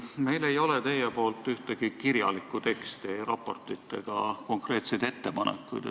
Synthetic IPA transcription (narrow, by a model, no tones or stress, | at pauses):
me̞jle̞jo̞let̪e̞jepo̞ːlt̪ːˑyht̪eɡ̥ikiɾjɑ̰likːˑut̪e̞kst̪irɑ̰pːˑo̞rt̪ˑit̪ːˑe̞̰ɡ̥ɑko̞ŋkre̞ːt̪sejd̪̥e̞t̪ːe̞pɑnḛkːˑujd̪̥